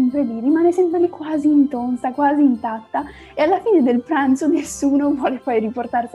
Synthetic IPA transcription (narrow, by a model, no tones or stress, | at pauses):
mpɾelirimaːnesɛmpɾelikwaːziːnt̪onsakwaːziːnt̪at̪ːa | ealːafiːned̪elpɾant̪sonesːuːnovwɔːlepɔjriport̪ars